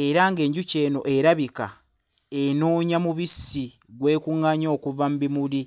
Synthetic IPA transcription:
e̞ɾaŋɡe̞ːɲɟuce̞ːno̞ʔe̞ɾaβika̰ | enoːɲamuβisi | ɡwe̞ːkuŋːaɲoːkuvambimuli

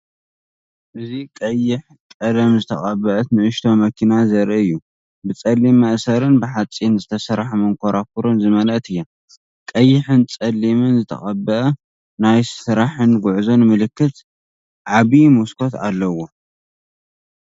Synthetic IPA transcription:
ʔɨzikʼɐjːɪħ | kʼɐd̪ɐmzɨt̪ʰɐ̰χʼɐbɐʔɐt̪nɨʔɨʃt̪ʰo̞mɐkʰinazɐɾʔɨɨjːu | bɨt͡sʼɐlːimːɐʔsɐɾɨnbɨħat͡sʼinzɨt̪ʰɐsɐɾħmɨŋkʷʰoɾak̚uɾonzɨmɐlʔɐt̪ɨjːa | kʼɐjːɪħɨnt͡sʼɐlːimɨnzɨt̪ʰɐ̰xʼɐbɐʔɐ | najsɨɾaħɨnɡʊʕzo̞nmɨlɨkːɨt̪ | ʕaβimuskʰo̞t̪a̰lːɐwo

